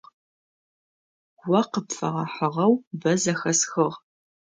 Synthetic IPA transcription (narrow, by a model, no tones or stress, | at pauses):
wɐqəpfɐ̰ʁɐħəʁɐwbɐzɐxɐsxɨʁ